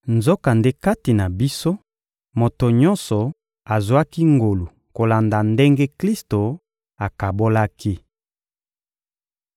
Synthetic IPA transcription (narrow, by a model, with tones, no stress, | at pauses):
nzo˦ka˨nde˦ka˦ti˨na˨bi˦so˦ | mo˨to˨ɲɔ˦nsɔ˨ | a˨zwa˦ki˦ŋɡo˨lu˨ | ko˨la˨nda˨nde˦ŋɡe˦kli˦sto˨ | a˨ka˨bo˦la˦ki˦